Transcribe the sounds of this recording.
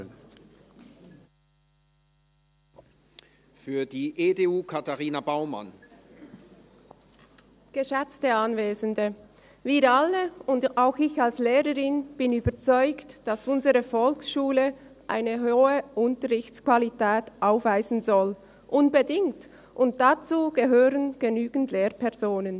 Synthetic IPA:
fyːɐdiːʔedeuːkʰataʁiːnabaʊma̰n | ɡ̥əʃɛt͡stəanveːzəndə | viːɾaləʊndaʊxɪçalsleːʁəʁɪnb̥ɪnyːbəʁt͡sɔʏktd̥asʊnzəʁəfɔlksʃuːlə | ʔa̰ɪnəɦooːəʔʊntəʁɪçt͡skv̥alitʰɛːtʔaʊfv̥aɪzn̩zɔl | ʔʊnbədɪŋt | ʔʊnt̚d̥at͡suːɡ̥əɦøːʁənɡ̥ənyːɡn̩tʰleːʁpʰɛʁzoːnən

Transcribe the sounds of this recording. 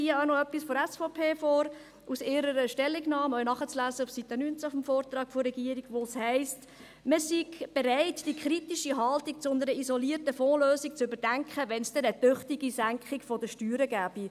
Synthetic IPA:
iəɑʊnɔœpːisfɔɾɛsfɔpʰeːfɔːɾ | ʔusɪɾəɾəʃtɛlːiɡnɑːmœɥnɑχət͡slæːzəufsit̪ənynt͡safɔmfɔːrt̪ɾɑːkfɔrːɛɡiəɾiɡʋoshɛɪst | məsiɡb̥eɾɛɪtd̥ikχɾitiʃiɦɑltik̚t͡sʊnəɾəizɔliːərtəfɔːløːsik̚t͡sʏbəɾd̥æŋkʰχəʋɛnsd̥ɛnətʏχtiɡisæŋkʰχikfɔd̪əʃtyːɾəɡæːb̥i

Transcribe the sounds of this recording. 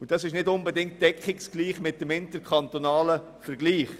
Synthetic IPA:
ʊd̥ɑsɪʃnɪdʊnbɛdɪŋ̚t̚d̥ɛkχɪksɡ̥liːχmɪt̚d̥əmɪntəɾkʰχɑnt̪onɑːlə | fəɾɡliːχ

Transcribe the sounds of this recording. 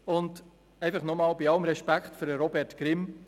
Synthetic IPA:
ʊnd | ɛɪfɑχnɔmɑːlbiɑləmɾɛʃpækχtføɾəɾɔbɛɾtɡ̥ɾɪm

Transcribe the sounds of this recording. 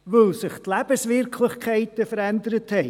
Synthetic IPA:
vəlsɪχtlɛːbəsvɪrkʰlɪχkʰaɪtəfəɾɛndəɾəthɛ

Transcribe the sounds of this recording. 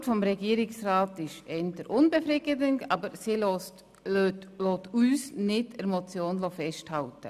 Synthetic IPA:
tfɔmɾɛɡiːɾɪksraːtɪʃɛndəɾʔʊnbefɾɪɡədəntɑːbəɾsil | lotyːsnɪdəɾmot͡sjoːnlofɛʃthɑltə̰

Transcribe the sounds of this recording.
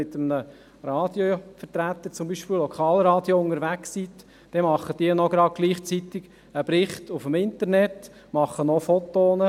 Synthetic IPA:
ɪt̪əmnə | ɾɑːd̪jofəɾtɾæt̪ːəɾt͡sʊmbiːʃpɪlɔkʰɑːlɾɑːd̪joʊŋəɾʋæksit | d̥ɛmɑχːəd̥iənɔɡ̥ɾɑd̚ɡ̥liːχt͡sit̪ɪɡ | əb̥ɾɪχtufəmɪntəɾnɛt | mɑχənɔfɔt̪oːnə

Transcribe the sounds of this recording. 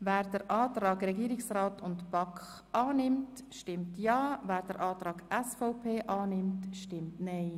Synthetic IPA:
væːɾdəɾʔɑːtɾɑːɡɾɛɡiːɾɪksraːtʊntb̥ɑkχ | ʔɑːnɪmt | ʃtɪmtjɑːvæːɾdəɾʔɑːtɾɑːɡɛsfɔʊpʰeːʔɑːnɪmtʃtɪmtnɛɪ

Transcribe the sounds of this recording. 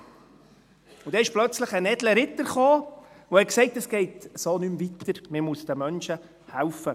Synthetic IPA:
ud̥̪ɛɪʃplœt͡sləχənɛdləɾɪt̪ːəɾχoː | ʋohɛtksɛɪtəsɡ̥ɛɪtsoːnymvitəɾmɪmusd̥̪əmœnʃə | hæwfə

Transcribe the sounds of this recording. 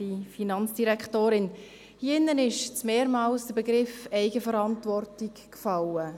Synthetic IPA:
ifinɑnt͡sd̥iɾɛkχtoːɾɪn | hiɪnːənɪʃt͡smeːɾmɑːlsd̥əɾbeɡɾɪfɛɪɡəfəɾɑntvɔrtikkfɑlə

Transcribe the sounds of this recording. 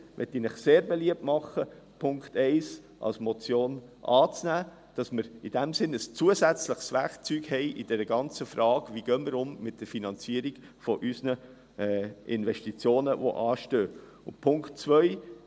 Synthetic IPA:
ʋʔɛ̰t̪ːinɪχseːɾbeliəp̚tmɑχːə | pʰʊŋktɛɪs | ʔɑ̰lsmɔt͡sjoːnʔɑːt͡snæː | d̥ɑsməɾid̥æmsɪnəst͡suəzæt͡sləχsvækt͡syːɡhɛɪʔid̥ɛɾəɡɑnt͡səfɾɑːɡʋiɡ̥œːməɾʊmmɪt̚d̥əɾfinɑnt͡siəɾiɡ̥ | fɔʔysnə | ʔɪnvɛʃtit͡sjoːnəʋo̰ʔɑːʃtøː | ʊnpʰʊŋktt͡svœʏ

